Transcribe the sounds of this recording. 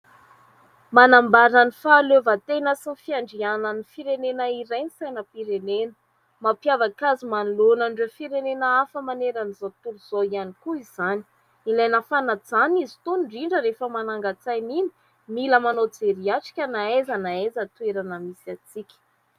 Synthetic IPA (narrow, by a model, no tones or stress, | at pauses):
manambaɾanifaːløvət̪enəsinifiaɳɖ͡ʐiananifiɾenenaiɾajnisajnəpiɾenenə̥ | mapjavakazimanlonaɳɖ͡ʐefiɾenenəafəmaneɾanizot̪uɾuz̥oianikuizani̥ | ilajnəfanad͡zanizi̥t̪unɳɖ͡ʐiɳɖ͡ʐəɾefəmanaŋɡat͡sajnini̥ | miləmanot͡seɾiaʈ͡ʂi̥kʲənaezanaezət̪weɾanəmisiat͡sikʲə̥